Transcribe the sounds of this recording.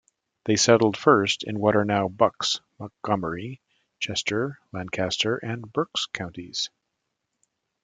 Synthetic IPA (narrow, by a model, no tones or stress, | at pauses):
ðeɪsɛɾl̩ˠd̥fɜ˞stɨ̃nwʌɾə˞naʊbʌksmək̚ɡ̥ʌmə˞i | t͡ʃʰɛstʰə˞læ̃nkʰæstʰə˞ʔɨ̃nbɜ˞kskʰãʊ̃ntiz̥